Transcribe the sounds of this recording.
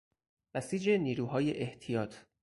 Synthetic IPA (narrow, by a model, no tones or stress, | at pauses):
bæsiːd͡ʒe̞niːɾuːɦɒːjeʔeht̪ʰijɒːt̪ʰ